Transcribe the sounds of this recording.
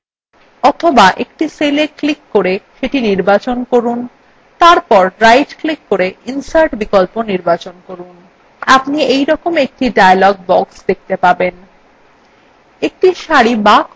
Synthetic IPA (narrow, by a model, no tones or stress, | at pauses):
ɔt̪ʰobaʔekʈiseleklikːoɾeʃeʈiniɾbat͡ɕonkoɾun | t̪aɾpɔɾɾajʈklikːoɾeinsaɾʈbikolponiɾbat͡ɕonkoɾun | apniejɾɔkomek̚ʈiɖajalɔɡ̚bɔksd̪ek̚t̪epaben | ek̚ʈiʃaɾibak